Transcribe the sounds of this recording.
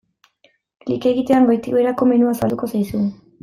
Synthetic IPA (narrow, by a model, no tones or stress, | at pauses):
klike̞ɣit̪e̞aŋɡo̞jt̪iɣoeɾako̞menuasald̪uko̞sajsu